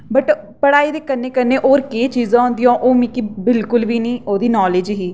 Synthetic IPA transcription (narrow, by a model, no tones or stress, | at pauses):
bəʈ | pəɽaːiːd̪eːkənːeːkənːeːʔoːɾkeːt͡ʃiːzãːɦʊ̃nd̪ijãːʔoːmĩːkibɪlkʊlbiːnĩːʔoːd̪iːnɔːleːd͡ʒɦiː